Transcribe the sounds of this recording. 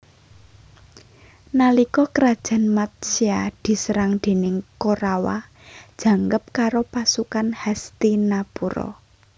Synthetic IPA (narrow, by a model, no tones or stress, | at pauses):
nalikɔkəɾad̥ʒ̥a̤nmat̪̚siad̪̥i̤sɾaŋd̪̥e̤nɪŋkoɾawa̰ | d̥ʒ̥ä̤ŋɡəp̚kaɾopasukanhɛst̪inapuɾɔ̰